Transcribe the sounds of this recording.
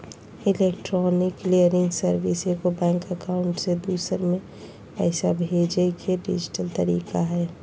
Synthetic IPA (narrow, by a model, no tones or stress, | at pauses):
ɪlekʈɾɔːnɪklijəɾɪ̃ŋɡsəɾʋisekobɛ̃ːŋkəkaʊɳʈsed̪uːsəɾmẽ | pɛɪsabʱeːd͡ʒekʰeɖḭd͡ʒɪ̥ʈəlt̪əɾḭːkaɦɛː